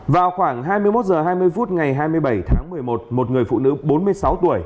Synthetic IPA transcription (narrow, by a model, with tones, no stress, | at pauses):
vaː˨˩wxwaː˧˩ŋɦaː˧jmɨ˧əjmo˦˥t̚zəː˨˩ɦaː˧jmɨ˧əjfu˦˥t̚ŋa˨˩jɦaː˧jmɨ˧əjɓa˧˩jt̪ʰaː˨˦ŋmɨ˨˩əjmo˨˩t̚mo˨˩t̚ŋɨ˨˩əjfṵ˧˨nɨ̰˧˥ɓo˨˦nmɨ˧əjsa˨˦wt̪u˧˩əj